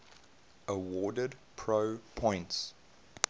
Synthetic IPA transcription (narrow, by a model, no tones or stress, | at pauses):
əwɔːdədpʰɹəʊpʰɔ̃ɪ̃nts